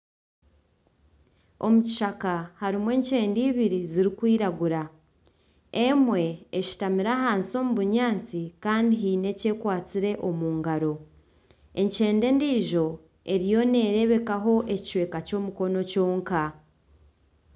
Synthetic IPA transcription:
o̞̰muci̥ʃakahaɾimwe̞ːɲce̞ːndiːβiɾiziɾikwiːɾaɡuɾa | e̞mwe̞eʃi̥tamiɾaɦaːnsio̞muβuɲaːnt͡sikaːndiɦiːne̞ce̞ːkwaːt͡siɾe̞ʔo̞muːŋɡaɾo̞ | e̞ɲce̞ːnde̞ːndiːʒo̞ | e̞ɾijo̞ne̞ːɾe̞βe̞kaɦo̞ʔe̞ci̥we̞ːkaco̞ːmuko̞no̞co̞ːŋka

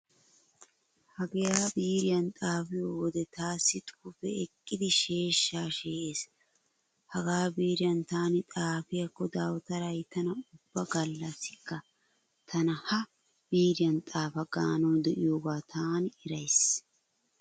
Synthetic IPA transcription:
hɐɡejaːbiːɾɪjɐnt̪ʼaːfɪjoːwɔd̪ɛt̪aːsːɪt̪ʼu̥ːfɛɛkʼːɪd̪ɪʃe̞ːʃːaːʃeeːs | hɐɡaːbiːɾɪjɐnt̪aːnɪt̪ʼaːfɪjɐkːɔd̪aːwt̪ɐɾɐjt̪ɐnɐʊbːɐɡɐlːɐsɪkːɐ | t̪ʰɐnɐhɐ | b̥iːɾɪjɐnt̪ʼaːfɐɡaːnɔwd̪ɛʔɪjo̞ːɡaːt̪ʰaːnɪɾɐjs

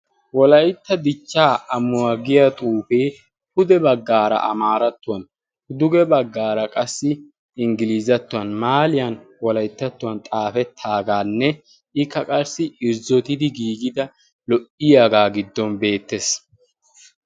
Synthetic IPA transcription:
wɔlɐjɪt̪ːɐd̪ɪt͡ʃːaːɐmːʊwaɡɪjɐt̪ʼuːfe̞ː | hʊd̪ɛbɐɡːaːɾɐ̰ʔɐ̰maːɾɐt̪ːʊwɐn | hʊd̪ʊɡɛbɐɡːaːɾɐkʼɐsːɪ | ɪŋɡɪliːzɐt̪ːʊwɐnmaːlɪjɐnwɔlɐjt̪ːɐt̪ːʊwɐnt̪ʼaːfɛt̪ʰːaːɡaːnːɛ | ʔɪkːɐkʼɐɾsɪɪɾzɔt̪ɪd̪ɪɡiːɡɪd̪ɐ | lɔʔɪjaːɡaːɡɪd̪ːɔnbe̞ːt̪ːes

